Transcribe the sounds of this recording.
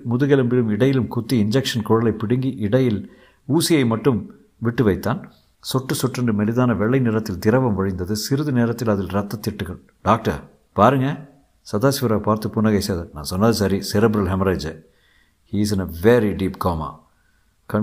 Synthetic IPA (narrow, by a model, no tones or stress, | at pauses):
mʊðɯɣɛlɯmbɪɾɯmɪɽɐjɪlɯmkʊt̪ːiɪnd͡ʒɛkʂɐnkɔːɻɐlɐɪpːɪɽɯŋɡiʔɪɽɐjɪl | uːsɪjɐɪmɐʈːɯm | ʋɪʈːɯʋɐɪt̪ːaːn | sɔʈːɯsɔʈːrɯɳɖɯmɛlɪðaːnɐʋɛɭːɐɪnɪɾɐt̪ːɪlt̪ɪɾɐʋɐmʋɐɻɪnd̪ɐðɯsɪɾɯðɯneːɾɐt̪ːɪlɐðɪlɾɐt̪ːɐt̪ːɪʈːɯɣɐɭ | ɖaːk̚ʈɐ̰ɾ | paːɾɯŋɡɐ | sɐðaːsʋɪɾaːpaːɾt̪ɯpʊnːɐɣɐɪsɐːðɐnã̰ːnsɔnːɐðɯsɐɾisɛɾɛbɾɐlɦɛmɾɐɪd͡ʒɐ | hiːs̬ɪnɐʋɛɾiɖiːpkaːma̰ː | kɐ